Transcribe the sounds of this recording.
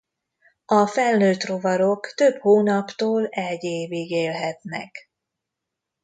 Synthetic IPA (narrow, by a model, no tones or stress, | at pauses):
ɒfɛlnøːt̪ro̞vɒɾo̞kt̪ø̞bhoːnɒpt̪oːlɛɟeːveːɡeːlɦɛt̪nɛ̰k